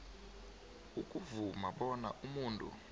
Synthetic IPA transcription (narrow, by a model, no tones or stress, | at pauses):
ukʼuvumaɓɔnaʔumuːntʼṵ